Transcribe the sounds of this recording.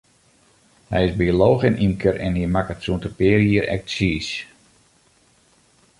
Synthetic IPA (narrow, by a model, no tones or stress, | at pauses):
hɛjɪsbioloːxɪnʔimkʰəɾɛ̰nhimakətsuəntəpɪːɾiəɾɛ̰k̚tsiːs